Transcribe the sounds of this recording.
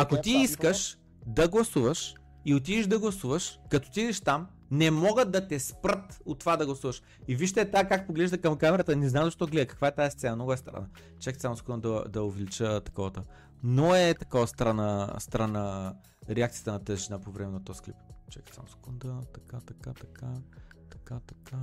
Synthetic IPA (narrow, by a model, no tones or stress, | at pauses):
akot̪iiskəʃ | d̪ɐɡlˠɐsuvəʃ | iot̪̬id̪iʒd̪ɐɡlˠɐsuvəʃkɐt̪ɔ̥t̪iid̪ɛʃt̪am | nɛmɔɡəd̪ɐt̪ɛspɾət̪ot̪ːovad̪ɐɡlˠɐsuvəʃ | iviʃ̬t̪ɛːt̪akak̚poɡlɛʒd̪ɐkɐmkamɛɾət̪ənɛznamzɐʃt̪ɔɡlɛd̪əkɐ̥kvaɛt̪aɛst̪sɛnɐnɔɡɛst̪ɾɐ̰na | t͡ʃɛkt̪samskɔnd̪ɐd̪ɐovɛlit͡ʃət̪ɐ̥kɔvət̪a | noɛt̪ɐkɔvəst̪ɾanast̪ɾana | ɾɛak̚t̪siət̪ənɐt̪əziʒinapovɾɛmɛnɐt̪ɔjsklḭpt͡ʃɛk̪sa̰mskɔnd̪at̪ɐkat̪ɐkat̪ɐkʰa | t̪ɐ̥kat̪ɐ̥ka